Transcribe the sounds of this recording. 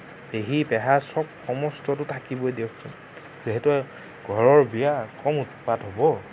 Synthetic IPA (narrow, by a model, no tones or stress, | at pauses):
beɦibɛɦasɔb̚xɔmɔstɔtʊtʰakibojdewkʰsun | ziɦɛtu | ɡ̥ʱɔɹɔɹbijakɔmutpatɦobɔ